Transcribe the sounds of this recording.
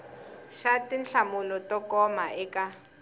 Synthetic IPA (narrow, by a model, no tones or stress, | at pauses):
ʃatinɬamʊlɔtɔkɔmaɛka